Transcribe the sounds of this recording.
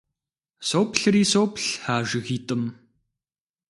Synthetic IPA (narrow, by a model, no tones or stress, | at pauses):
soːpɬɨɾiːsoːpʰɬħaːʒɪɣiːtʼɨm